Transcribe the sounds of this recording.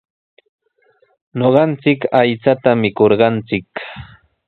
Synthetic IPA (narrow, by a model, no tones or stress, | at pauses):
noɢɑnt͡sɪkajt͡sat̪amɪkoɾɢɑnt͡sɪk